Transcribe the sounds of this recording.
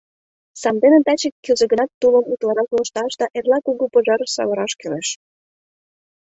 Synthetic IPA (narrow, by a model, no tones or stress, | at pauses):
sɑmd̪enet̪ɑt͡ɕekːøzə̆ɡə̆nɑt̪ːuləmut̪lɑɾɑkolɤ̆ʃt̪ɑʃd̪ɑʔerlɑkuɣupoʒɑɾəʃsɑ̰βəɾɑʃkøɾeʃ